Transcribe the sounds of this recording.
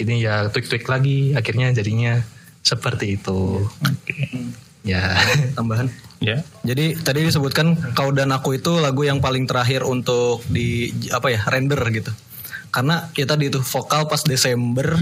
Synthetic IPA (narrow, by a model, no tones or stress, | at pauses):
inijat̪uwɪk̚t̪uɪklaɡiakirɲad͡ʒadiɲa | səpərt̪iːt̪u | jat̪ambaɦanjad͡ʒadit̪adidis̬əbʊt̪̚kankawdanakuit̪ulaɡujaŋpalɪŋt̪əɾaɦɪrunt̪ʊk̚diapajarʔɛndərɡit̪u | karənaat̪adiːt̪ufokalpasdesɛmbər